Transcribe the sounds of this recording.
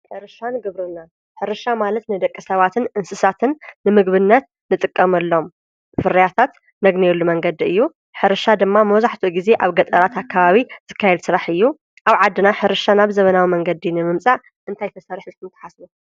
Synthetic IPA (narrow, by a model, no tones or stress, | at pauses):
ħɨɾɨʃanɨɡɐβɾɨna | ħɨɾɨʃamalɐt̪nɨd̪ɐkʼːisɐβat̪ʰɨnʔɨnsɨsat̪ʰɨnːɨmɨɡβɨnːɐt̪̚ | nɨt̪ʼɨkʼːɐmɐlːo̞m | fɨɾɐjat̪ʰat̪ | nɐɡnelːumɐŋɡɐd̪iɨjːu | ħɨɾɨʃad̪ɨmːamɐwzaħt̪ʰuɡize̞ʔaβɡɐt̪ʼɐɾat̪akʰːaβaβiz̥ɨkʰːajɛd̪sɨɾaħɨjːu | ʔaβʕad̪ːɨnaħɨɾɨʃanaβzɐβɐnawimɐŋɡɐd̪inɨmɨmt͡sʼaʔ | ʔɨnt̪ʰajt̪ʰɐsɐɾħzɨt̪ɨnt̪ʰːɨ̥ħasbu